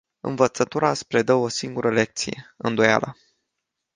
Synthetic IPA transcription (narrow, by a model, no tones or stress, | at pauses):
ɨ̰nvət̪sət̪uɾaspɾe̞d̪əo̞siŋɡuɾʔəle̞k̚t̪sije̞̰ɨ̰nd̪o̞ja̰lə